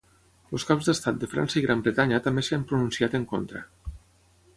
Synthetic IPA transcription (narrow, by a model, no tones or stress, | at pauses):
oskawzðəst̪at̪̚d̪əfɾa̰nsəiɣɾʔambɾət̪aɲət̪ambeseampɾununsiat̪əŋko̰nt̪ɾə̰